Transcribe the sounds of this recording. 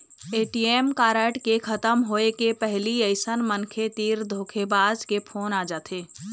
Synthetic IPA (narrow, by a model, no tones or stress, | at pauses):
eːʈiːemkaːɾəʈkexɐt̪əmɦoːekepɛɦliəɪsənmənkʰet̪iːɾd̪ʱoːkʰebaːzkepʰoːnaːd͡ʒaːt̪ʰeː